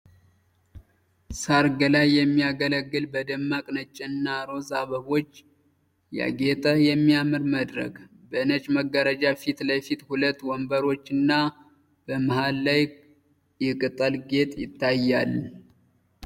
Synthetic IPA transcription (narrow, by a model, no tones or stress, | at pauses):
saɾɡəlajːɛmːijaɡələɡːɨlbəd̪əmːakʼnət͡ʃʼːɛnːaɾo̞zaβəβo̞t͡ʃː | ja̰ɡe̞t̪ʼəjɛmːiamɨɾməd̪ɾə̰k | bəɨnət͡ʃʼməɡəɾəd͡ʒafit̪ləfit̪hulət̪ːwɔmbəɾo̞t͡ʃːɨnːa | b̥əmahalːaj | jɛkʼɨt̪ʼəlɡe̞t̪ʼjɪ̰t̪ʰːajːal